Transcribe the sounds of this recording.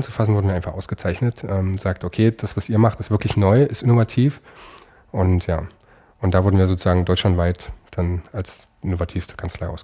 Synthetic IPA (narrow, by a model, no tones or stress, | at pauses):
nt͡su̥fas̬n̩vʊɐdnviːaɪnfaχʔaʊsɡ̥ət͡saɪçnətʔɛːmz̥aːk̚tʔokʰeːd̥asv̥asiːɐmaχtɪstv̥ɪɐklɪçnɔʏɪstɪnovatʰiːf | ʔʊntja̰ː | ʔʊntd̥aːvʊɐdn̩viːɐzoːt͡suzaːɡŋ̩dɔʏt͡ʃʃlantv̥aɪtd̥anals | ʔɪnovatʰiːfstə̥kʰant͡slaɪʔa̰ʊsɡə